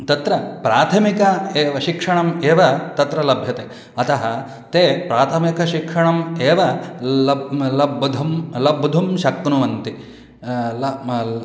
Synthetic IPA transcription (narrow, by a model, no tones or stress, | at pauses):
t̪ɐt̪ɾɐpɾaːt̪ʰɐmikɐeːʋɐʃikʂɐɳɐmeːʋɐt̪ɐt̪ɾɐlɐbʱjɐt̪eː | ɐt̪ɐɦɐ | t̪eːpɾaːt̪ʰɐmikɐʃikʂɐɳɐmeːʋɐɐlɐbʱd̪ʱɐmlɐbʱd̪ʱumʃɐknuʋɐnt̪i | l